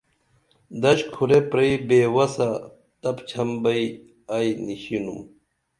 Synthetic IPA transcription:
d̪ɐɕkʰuɾepɾɐibeːwɐsɐ | t̪ɐpt͡ɕʰɐmbɐi | ajniɕinṵm

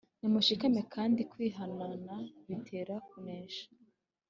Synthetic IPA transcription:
nimuʃikamekʰaːndikwiːɦananaβitʰe̞ːɾakuneːʃḁ

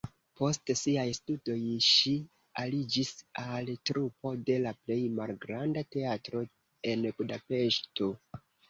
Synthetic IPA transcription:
po̞stsiajstudo̞jʃi | alid͡ʒisaltɾupo̞de̞laple̞jmalɡɾandate̞atɾo̞ | e̞nbudape̞ʃto̞

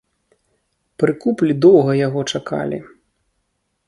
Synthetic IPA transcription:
pɾɨkuplʲid̪ɔwɣɐjaɣɔt͡ʂaka̰lʲḭ

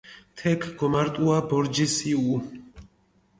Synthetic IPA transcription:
t̪ʰɛkʰɡɔmaɾt̪ʼuabɔɾd͡ʒisiu

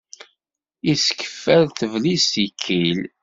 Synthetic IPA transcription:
iskə̥fːæɾθəvlisikʰːil

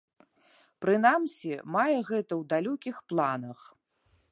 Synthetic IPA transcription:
pɾɨnamsʲimajɛɣɛt̪ɐwd̪alʲɔkʲixplˠanɐx

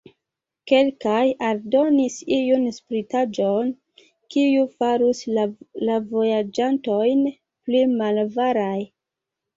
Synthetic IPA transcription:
ke̞lkajaldo̞nisijunspɾitad͡ʒon | kijufaɾuslavo̞jad͡ʒanto̞jn | plimalvaɾaj

